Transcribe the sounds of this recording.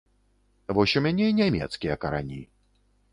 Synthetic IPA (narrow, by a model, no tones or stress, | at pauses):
vɔɕʲumʲanʲeinʲamʲɛ̰t̪skʲijɐkɐɾa̰nʲi